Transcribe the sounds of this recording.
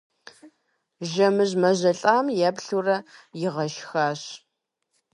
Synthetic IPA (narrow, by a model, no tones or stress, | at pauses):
ʒɐmɨʑmɐʑɐɬʼaːmjɛbɬurɐjɪʁɐʃxaːɕ